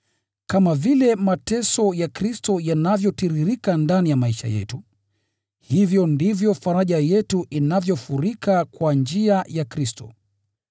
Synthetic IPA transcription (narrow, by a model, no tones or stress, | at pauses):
kamavilɛmatɛsɔjakɾistɔjanavjɔtiɾiɾikandanijamaiʃa̰jɛ̰tu | hivjɔndivjɔfaɾaʄajɛtuʔinavjɔfuɾikakwand͡ʒiajakɾistɔ̰